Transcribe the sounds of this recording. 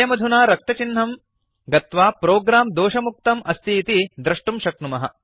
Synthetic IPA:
jɐmɐd̪ʱunaːɾɐk̚t̪ɐt͡ʃin̤ːɐm | ɡɐt̪ʋaːpɾoːɡɾaːmd̪oːʃɐmuk̚t̪ɐmɐst̪ʰiːt̪id̪ɾɐʂʈumʃɐk̚numɐɦɐ̰

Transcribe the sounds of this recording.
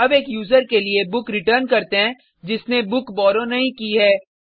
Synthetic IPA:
ɐbeːkjuːzəɾkeliebʊkɾɪʈəɾnkɐɾt̪eɦɛ̃ | d͡ʒɪsnebʊkbɔːɾõnɐɦĩkiɦɛː

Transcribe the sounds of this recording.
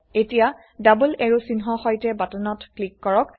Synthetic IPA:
etija | dabuleɹusinɦɔxɔjtɛbatɔnɔtklikːɔɹɔk

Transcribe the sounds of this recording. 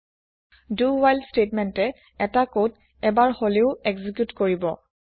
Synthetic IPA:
duwajlstetmɛntɛ | ɛtakot | ɛbaɹholeʊɛɡzikjutkoɹibɔ

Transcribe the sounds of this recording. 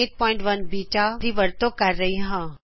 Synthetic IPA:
eːʈ̚pɔ̃ːɪ̃ɳʈʋɐnbiːt͡ʃad̪iːʋɐɾt̪okɐɾːɐɦiɦãː

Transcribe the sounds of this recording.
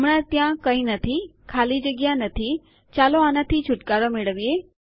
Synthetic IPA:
mɽat̪jãkəĩnət̪ʰikʰalid͡ʒəɡjanət̪ʰi | t͡ʃaloanat̪ʰit͡ʃʰʊʈkaɾomeɭəʋije

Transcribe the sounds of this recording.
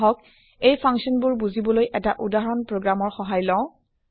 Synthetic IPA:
ɦɔk̚ | ejpʰaŋsɔnbʊɹbuzibɔlojʔɛtaʔudaɦɔɹɔnpɹoɡɹamɔɹxɔɦajlɔ̃ʊ̃

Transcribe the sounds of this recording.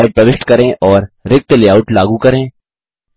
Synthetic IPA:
ɪpɾɐʋɪʃʈkɐɾẽːʔɔːɾɾɪk̚t̪leːaːʊʈlaːɡukɐɾẽː

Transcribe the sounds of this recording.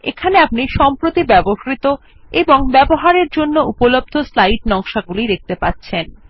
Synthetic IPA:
ḛkʰaneap̚niʃɔmpɾot̪ibɛboʃɾit̪o | eboŋbɛboɦaɾeɾd͡ʑonːoupolob̚d̪ʱoslajʈ̚nɔŋʃaɡuliɾek̚t̪epatːɕʰen

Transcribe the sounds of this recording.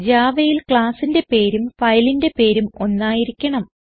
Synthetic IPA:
d͡ʑaːʋɐjilkɭaːsinde̞pe̞ːɾumfɐjlinde̞pe̞ːɾumo̞nːaːjiɾikʲːɐɳɐm

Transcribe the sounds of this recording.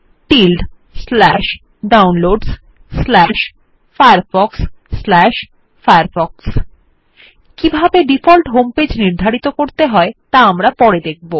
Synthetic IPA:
ʈilɖ | slɛʃ | ɖawnloɖs | slɛʃ | fajaɾfɔksːlɛʃ | fajaɾfɔks | kibʱabeɖifɔlʈɦomped͡ʑniɾd̪ʱaɾit̪okoɾt̪eɦɔet̪aamɾapɔɾed̪ek̚ʰbo

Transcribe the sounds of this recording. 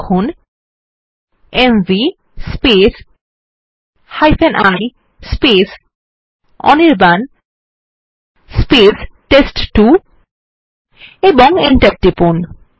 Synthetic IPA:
kʰun | emvi | spes | hajfʰenʔaj | spes | ɔ̰niɾban | spesʈesʈʈu | eboŋeɳʈaɾ̚ʈipon

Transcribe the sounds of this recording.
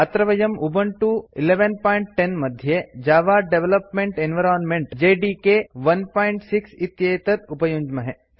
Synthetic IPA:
ɐt̪ɾɐʋɐjɐmubɐɳʈuileʋenpaːjɳʈːenmɐd̪ʱjed͡ʒaːʋaːɖeʋelɐpmeɳʈenʋɐɾaːnmeɳʈd͡ʒeːɖiːkeʋɐnpaːjiɳʈsiksit̪jɐjt̪ɐt̪upɐjuːɲd͡ʒmɐɦe

